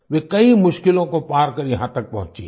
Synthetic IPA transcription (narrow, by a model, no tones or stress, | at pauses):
ʋeːkɐimʊʃkɪlõkopaːɾkɐɾjɐɦãt̪ɐk̚pɐɦʊ̃t͡ʃḭː